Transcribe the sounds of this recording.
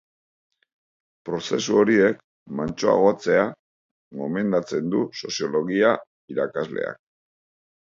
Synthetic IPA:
pɾo̞se̞suo̞ɾie̞k | mant͡ʃo̞a̰ɣ̞o̞at͡se̞a | ɣo̞me̞nd̪at͡se̞nd̪uso̞sijo̞lo̞ɣia | iɾakazle̞̰a̰k̚

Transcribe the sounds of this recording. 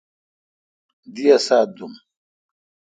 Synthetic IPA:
d̪ijɐsaːd̪um

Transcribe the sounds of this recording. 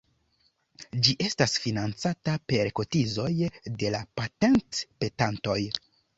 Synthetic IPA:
d͡ʒiʔe̞stasfinant͡satape̞ɾko̞tizo̞jde̞lapate̞ntpe̞tanto̞j

